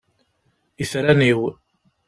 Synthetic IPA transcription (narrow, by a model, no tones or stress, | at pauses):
iθɾaniw